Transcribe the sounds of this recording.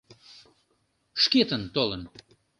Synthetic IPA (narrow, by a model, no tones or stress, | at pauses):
ʃket̪ənt̪olən